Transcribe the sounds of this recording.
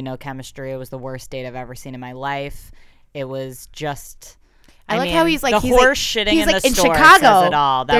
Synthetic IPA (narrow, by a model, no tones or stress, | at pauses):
noʊkʰɛmɨstɹ̥iɨt̚wʌzðəwɜ˞sd̥eɪɾaɪvɛvə˞sĩnɨ̃nmaɪlaɪf | ɪt̚wʌzd͡ʒʌst | ʔaɪɪlʌkhaʊhizlaɪəhiɔɹsʃɪɾɪ̃iŋzlɪɨkɨ̃ntɔɨɹkʰɑɡoʊɨɾɔlˠðə